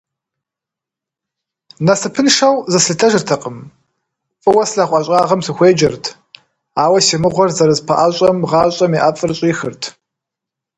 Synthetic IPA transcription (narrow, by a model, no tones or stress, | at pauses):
nɐsɨpʰɨnʂɐwzɐsɮtʰɐʒɨrtʰɐqʼəm | fʼɨwɐsɬaχʷʼɑɕʼɑːʁɐmsɨxʷeːd͡ʒɐrtʰ | aːwɐsiːmɨʁʷɔrzɐɾɨzpʰɐ̰ʔaɕʼɐmʁɑːɕʼɐmiʔafʼɨrɕʼiːxɨ̰rtʰ